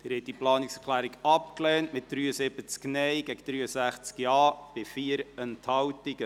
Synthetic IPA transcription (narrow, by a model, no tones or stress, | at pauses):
d̥ɪɾhɛt̚d̥iplɑːnɪksəkʰlæːɾiɡɑpklɛːntmɪt̚d̥̪ɾyːəsɪb̥ət͡sknɛɪɡ̥ɛɡəd̥ɾyːəsæχt͡skjɑːb̥ɪfiːəɾənthɑwtɪɡə